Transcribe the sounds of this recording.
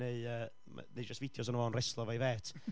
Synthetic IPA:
eɨəː | ma̰nejd͡ʒastvɪdjɔs̬ɔnəvɔnrɛslˠɔvajveːtʰ

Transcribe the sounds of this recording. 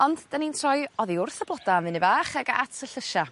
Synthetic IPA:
ɔndd̥anintʰrɔjɔðiʊrθəblˠɔdaamvɨnibaːχɛɡa̰tʰəɬəʃa

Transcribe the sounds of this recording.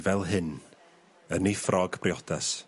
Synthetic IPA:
vɛlˠɦɨn | ənifrʔɔɡpʰrɪɔdas

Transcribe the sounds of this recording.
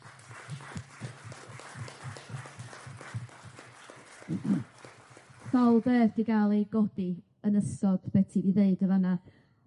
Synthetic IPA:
sɔlˠðɛːvd̥iɡalˠeɡɔdi | ənəsɔdbɛtʰiviðeɨdəvana

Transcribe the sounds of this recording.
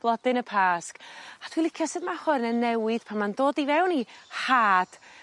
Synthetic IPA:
b̥lˠɔdɨnəpʰaːskatʰwilˠɪkʰjɔsɨdmahʊrnənɛwɪð̥pʰamandoːdivɛwnihaːd̥

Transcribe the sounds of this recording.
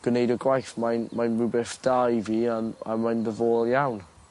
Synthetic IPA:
ɡ̥wnejdɔɡwajθmajnmajnmubɛθd̥ajviana̰majnðəvoːlˠjawn

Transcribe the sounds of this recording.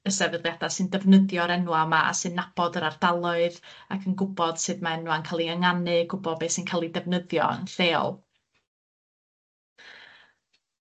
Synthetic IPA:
əsɛvəðlˠjadasɨndɛvnəðjɔɾɛnwamaʔa̰sɨnːab̥ɔdəɾard̥alˠʊɨða̰kʰənɡʊbɔd̥sɨðmaɛnwankʰaːlˠiəŋanɨɡʊbɔbesɨnkʰaːlˠidɛvnəðjɔ̰ə̰nθeːɔ̰lˠ

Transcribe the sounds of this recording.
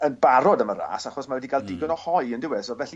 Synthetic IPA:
ənbaɾɔdaməɾa̰ːsaχɔsmawɛdiɡalˠdɪɡɔnɔhɔjəndɪwɛsɔlvɛɬi

